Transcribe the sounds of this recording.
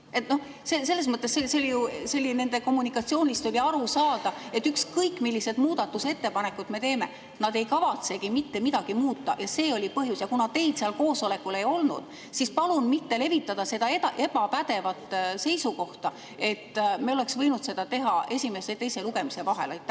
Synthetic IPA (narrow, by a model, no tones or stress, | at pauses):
et̪no̞h | sese̞lːe̞s̬mɤt̪ːˑe̞seseolʲijuselːine̞nd̪e̞ko̞mːunikːˑɑt̪sio̞ːnʲist̪o̞lʲiɑɾusɑːd̪̥ɑe̞t̪ːykskɤjkːˑmilːise̞d̪muːd̪̥ɑt̪ːˑuse̞t̪ːe̞pɑne̞kːˑud̪me̞t̪e̞ːme̞̰ | nɑd̪e̞jkɑvɑt̪se̞ɡimit̪ːe̞mid̪ɑɡ̥imuːt̪ˑːɑ̰jɑse̞ːo̞lʲipɤɦjusjɑkunɑt̪e̞jd̪̥seɑlko̞ːso̞le̞kːˑule̞jo̞lnṵd̪̥ | sispɑlunmit̪ːe̞le̞vit̪ːˑɑd̪̥ɑse̞d̪ɑet̪ɑʔe̞b̥ɑpæd̪̥e̞vɑt̪ˑːse̞jsuko̞ht̪ɑ | e̞t̪ːmeo̞le̞ksvɤ̞jnud̪̥se̞d̪̥ɑt̪e̞ɦɑe̞sʲime̞set̪e̞jse̞luɡe̞mise̞vɑɦe̞̰lɑjt̪ːˑæ